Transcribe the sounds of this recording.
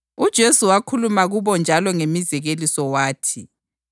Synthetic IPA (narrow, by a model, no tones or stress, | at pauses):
ud̥ʒ̥ʱesuwakʰulumaɣuβɔnd͡ʒʱalɔŋemizɛɣelisɔwaːtʰi